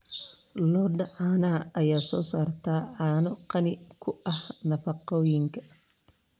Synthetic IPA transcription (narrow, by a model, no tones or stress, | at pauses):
lɔːɖɐʕaːnaːɐjaːsɔːsaːrt̪ʰaːʕɑːnɔqɑnɪkʰʊʔɐhnɐfɑqɔːjɪŋkʰɐ̥